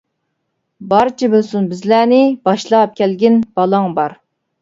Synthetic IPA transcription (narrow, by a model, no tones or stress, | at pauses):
bɑɾɨt͡ʃʰibɨlsunbɪzlænɪb̥ɑʃlˠɑp̚kʲɛlɡʲɪnb̥ɑlˠɑŋbɑɾ